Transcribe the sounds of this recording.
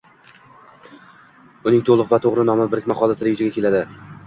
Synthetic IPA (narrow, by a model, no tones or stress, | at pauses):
ʊnɪŋt̪ʰolˠʊqvat̪ʰoʁɾɪnɒmɪbɪɾkʲmaχɒlˠat̪ʰɾejʊd͡ʒaɡʲakʲʰe̞lad̪ɪ